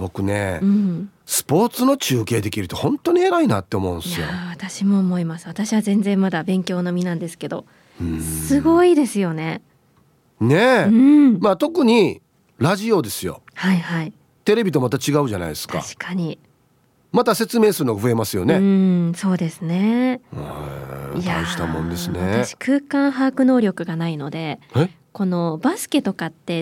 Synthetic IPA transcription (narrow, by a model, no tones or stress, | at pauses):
bo̞kɯ̟ne̞̰ɯ̃sɨ̥po̞ːt͡sɨno̞t͡ɕɨːke̞ːd̪e̞kʲiɾɯ̟t̪o̞hõ̞nt̪o̞ɲ̟ieɾaina̰t̪ːe̞omo̞ɯ̃nsɨjoβat̪aɕimo̞ːmo̞imasɨβat̪aɕiβazẽ̞nd͡zẽ̞mːad̪abẽ̞ŋkʲo̞ːno̞mʲinãnd̪e̞sɨ̥ke̞d̪o̞̰ | ɯ̃sɨɡo̞id̪e̞sɨjo̞ne̞ | ne̞ɯ̃maːt̪o̞kɯ̟ɲ̟i | ɾaʑio̞d̪e̞sɨjo̞̰haihai | t̪e̞ɾe̞bʲit̪o̞mat̪at͡ɕiɡaɯ̟ʑana̰id̪sɨ̥tka̰ɕi̥kʰaɲ̟i | mat̪ase̞t͡sɨme̞ːsɨɾɯnoaɸɯe̞masɨjo̞̰neɯso̞ːd̪e̞sɨne̞ | aãɕi̥t̪a̰mõ̞̰nd̪e̞sɨneat̪aɕi̥kʰɯ̟ːkãɰ̃ɦaːkɯ̟no̞ːɾʲo̞kɯ̟ɡanaino̞d̪e̞a | ko̞no̞basɨ̥ke̞t̪o̞kat̪ːe̞